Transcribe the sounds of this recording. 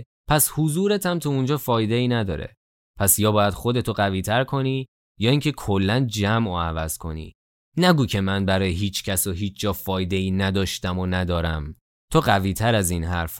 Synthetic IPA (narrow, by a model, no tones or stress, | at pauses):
pʰæshuzuːɾet̪ʰæmt̪ʰuund͡ʒɒːfɒːjd̪e̞iːnæd̪ɒːɾḛ | pʰæsjɒːbɒːjæd̪̥xo̞d̪e̞t̪ʰoɢæviːt̪ʰæɾkʰo̞niː | jɒːiːŋcʰe̞kʰolːænd͡ʒæmʔoævæz̥kʰo̞̰nḭː | næɡuːcʰe̞mænbæɾɒːjeɦiːt͡ʃʰcʰæsoɦiːt͡ʃʰd͡ʒɒːfɒːjd̪e̞iːnæd̪ɒːʃt̪æmonæd̪ɒːɾæ̰m | t̪ʰoɢæviːt̪ʰæɾæzinɦæɾf